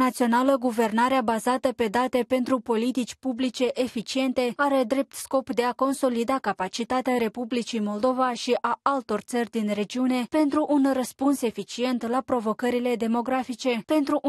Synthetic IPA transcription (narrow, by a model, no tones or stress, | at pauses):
at̪sio̞naləɡuve̞rnaɾeabazat̪əpe̞d̪at̪e̞pe̞nt̪ɾupo̞lit̪it͡ʃʲpublit͡ʃe̞ʔefit͡ʃie̞nt̪e̞aɾe̞d̪ɾe̞p̚t̪sko̞pd̪e̞ako̞nso̞lid̪akapat͡ʃit̪at̪eaɾe̞publit͡ʃijmo̞ld̪o̞vaʃiʔaalt̪o̞rʲt̪sərʲd̪inre̞d͡ʒiune̞pe̞nt̪ɾuʔunrəspunse̞fit͡ʃie̞nt̪lapɾo̞vo̞kəɾile̞d̪e̞mo̞ɡɾafit͡ʃe̞pe̞nt̪ɾu